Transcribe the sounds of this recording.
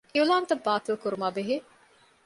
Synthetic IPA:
ʔiulaːnt̪ɐbːaːt̪ilkuɾumaːbeɦe

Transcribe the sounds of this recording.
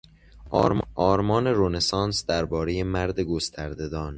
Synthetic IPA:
ʔɒːɾmɒːneɾonesɒːnsd̪æɾbɒːɾeje̞mæɾd̪e̞ɡo̞st̪ʰæɾd̪e̞d̪ɒːn

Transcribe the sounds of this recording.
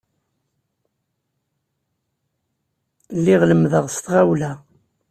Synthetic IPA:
lːiʁləmðəʁst̪ʁawlæ

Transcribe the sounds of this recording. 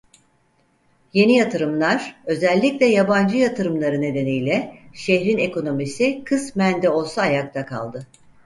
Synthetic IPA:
je̞nijat̪ʰɯɾɯmlˠaɾ̥ø̞zælʲːicʲlʲɛjaband͡ʒɯjat̪ʰɯɾɯmlˠaɾɯne̞d̪e̞nijlʲɛʃeçɾine̞ko̞no̞misikʰɯsmænd̪ɛo̞lˠsaːjak̚t̪ʰakʰa̰lˠd̪ɯ

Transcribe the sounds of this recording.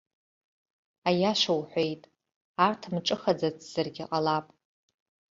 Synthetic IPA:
ajaʃʷawħʷejtʼ | artʰmʈ͡ʂʼɨχad͡zat͡sʰʼz̥ɨrɡʲɪqʼalapʼ

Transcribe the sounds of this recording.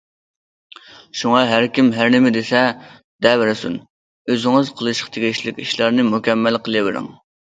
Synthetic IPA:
ʃuŋɑɦæɾkʲimɦæɾnɪmɪd̪esɛ | d̪̥ɛbɪɾɪsṵn | øzɪŋɨzqʰəlˠɨʃə̥qt̪ʰeɡʲɪʃlɪkʲiʃlˠɑɾnɪmukʲʰɛmːælqʰəlˠɨbɪɾɪ̰ŋ

